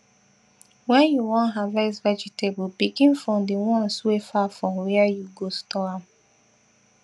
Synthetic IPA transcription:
wɛnjuwɔ̃nɦavasvɛd͡ʒitebpikĩnfɾɔmdewɔ̃n̩swefafɔmwɛəjuɡostɔam

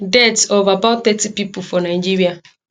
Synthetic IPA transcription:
dɛtovabatt̪ɛtipipʊfɔnajd͡ʒiɾia

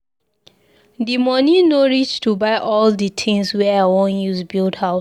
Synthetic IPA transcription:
dimɔninɔɹid͡ʒtubaɪʔɔlditʰĩŋswɛaɪwõnjuzbildhaʊ

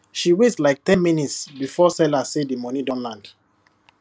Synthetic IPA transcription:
ʃiwetlaɪk̚tɛ̃nminitsbifɔsɛlasedimɔnidɔ̃nlãnd

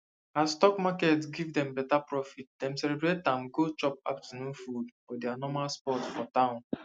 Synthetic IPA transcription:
astɔkmakɛtsɡivdɛ̃mbɛtapɹɔfit̚d̥ɛ̃msɛlebɾetãmɡot͡ʃɔp̚a̰ptunũfudfɔdɛanɔmalspɔtfɔtãʊ̃n

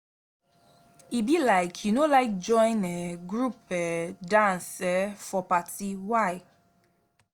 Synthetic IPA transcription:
ibilaɪkʰjunolaɪk̚d͡ʒɔ̃ɪ̃nɛɡɹupɛdãnsɛfɔpatiwaɪ

